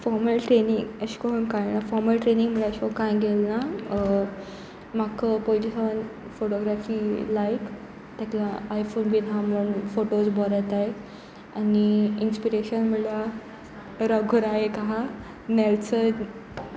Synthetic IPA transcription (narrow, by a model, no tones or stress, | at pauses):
fɔɾməlʈɾeniŋɡəɕi̥kɔɦunkajnafɔɾməlʈɾeniŋɡm̤əɭaəɕɔkãjɡʱelna | makəpojd͡ʑisaʋən | foʈoɡɾafilajk | t̪aklaajfonbʱiːd̪ãmuɳfoʈosbɔɾajt̪ae | aniinspiɾeɕənm̤əɽla | ɾəɡʱuɾaɦekaɦã | nɛlt͡sə